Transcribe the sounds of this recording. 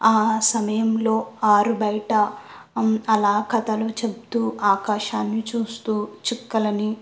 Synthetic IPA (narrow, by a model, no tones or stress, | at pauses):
aːsɐmɐjɐmlo̞ːaːɾubɐjʈɐ | ɐlaːkʰɐt̪ɐlut͡ʃep̚t̪uːʔaːkaːʃaːnːit͡ʃuːst̪uːt͡ʃikːɐlɐni